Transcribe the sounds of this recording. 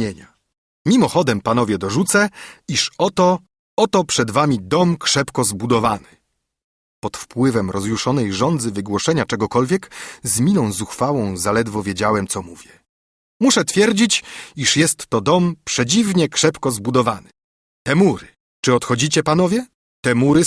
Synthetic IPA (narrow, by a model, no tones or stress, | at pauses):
eɲa | mʲimɔxɔd̪ɛmpanɔvʲjɛd̪ɔʐut̪sɛiʂɔt̪ɔ | ɔt̪ɔpʂɛd̪vamʲid̪ɔmkʂɛpkɔzbud̪ɔvanɘ | pɔt̪fpwɘvɛmɾɔzjuʂɔnɛjʐɔnd̪zɘvɘɡwɔʂɛɲat͡ʂɛɡɔkɔlvʲjɛkzmʲinɔ̃w̃zuxfawɔ̃w̃zalɛd̪vɔvʲjed͡ʑawɛmt̪sɔmuvʲjɛ | muʂɛt̪fʲjɛɾd͡ʑit͡ɕiʂjɛst̪ːɔd̪ɔmpʂɛd͡ʑivɲɛkʂɛpkɔzbud̪ɔvanɘ̥ | t̪ɛmuɾɘ | t͡ʂɘɔt̪xɔd͡ʑit͡ɕɛpanɔvʲjɛ | t̪ɛmuɾɘ